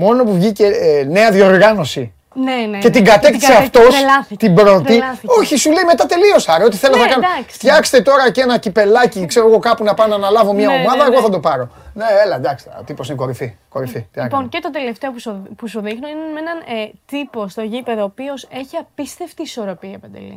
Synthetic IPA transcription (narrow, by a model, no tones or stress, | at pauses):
mo̞no̞puvʝicene̞ɐðio̞ɾɣɐno̞si | nence̞tt̪iɡɐt̪ekθiseɐft̪o̞sɐt̪ibɾo̞t̪ioçisule̞ime̞t̪ɐt̪e̞lio̞sɐɾeo̞t̪i̥θelonɐkɐnft̪çɐkse̥t̪e̞t̪o̞ɾɐce̞nɐcipe̞lɐcikseɾo̞ɣo̞kɐpunɐpɐnɐnɐlɐvo̞mɲɐomɐðɐeɣo̞θɐd̪o̞pɐɾo̞neelɐd̪ɐkst̪t̪iposineko̞ɾifiko̞ɾifit̪iɐponcet̪od̪eleft̪e̞opuspusuðixnoinemenɐnt̪ipo̞st̪oʝipeðoːpio̞se̞çiɐpist̪e̞ft̪iːso̞ɾo̞piɐpɐd̪ḛlḭ